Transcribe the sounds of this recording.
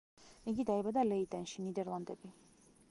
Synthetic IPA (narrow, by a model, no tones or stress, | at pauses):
iɡid̪aɛbad̪alɛit̪ʼɛnʃinid̪ɛɾlˠand̪ɛbi